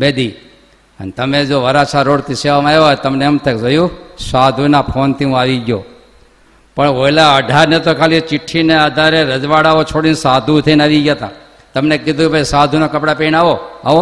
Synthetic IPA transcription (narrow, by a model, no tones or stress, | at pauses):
bed̪i | ə̰nt̪əmẽd͡ʒoʋəɾat͡ʃʰaɾoːɽt̪iseʋamãeʋjt̪əmneəmt̪ekd͡ʒojũsad̪ʱunapʰoːnt̪iũaːʋiɡjo | pəɳʋoilaəɖʱaɾnet̪okʰaːlit͡ʃɪʈʰːinead̪ʱaɾeɾəd͡ʒʋaɽaʋot͡ʃʰoɽinsaːd̪ʱũt̪ʰenaʋid͡ʒjat̪a̰ | t̪əmnekɪd̪ʱũbʱəisad̪ʱunokəpɽapeːnaːʋoaʋo